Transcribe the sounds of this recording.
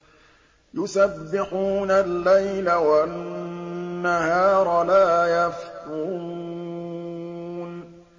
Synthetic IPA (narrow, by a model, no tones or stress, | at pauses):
jʊsabːɪħuːnalːajlawa | ahaːɾˤɑlaːjafqu | n